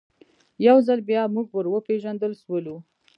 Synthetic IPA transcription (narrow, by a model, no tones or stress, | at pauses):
jawzalbjɑmuɡ̚wəɾwəpeʒand̪əlʃwəlu